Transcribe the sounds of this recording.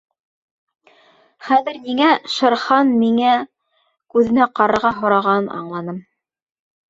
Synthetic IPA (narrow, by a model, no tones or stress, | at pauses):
χæðɘ̆ɾniŋæʃɤ̆ɾχɑnmiŋæ | kʉðɘ̆næqɑɾɤ̆ɾʁɑɦŏɾɑʁɑɤnʔɑ̰ɴlˠɑnɤm